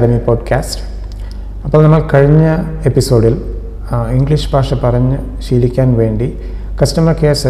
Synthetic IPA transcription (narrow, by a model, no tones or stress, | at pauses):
ɽɐmipoːɖkʰaːsʈ | ɐpːoːlnɐmːɐɭkɐɻiɲːɐepːiso̞ːɖil | iŋɡliʂbʱaːʂɐpɐrɐɲːɨ | ɕiːɽikʲːaːnʋe̞ːɳɖi | kɐsʈɐmɐrkeːsɐ